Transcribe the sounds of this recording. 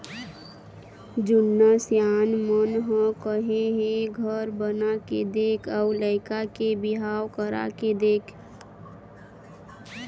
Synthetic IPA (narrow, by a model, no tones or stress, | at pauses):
d͡ʒʊnːasjaːnmənɦə̃kəɦẽɦẽɡʱəɾbənaked̪eːkʰaʊləɪkakebɪɦaːwkəɾa̰ked̪eːkʰ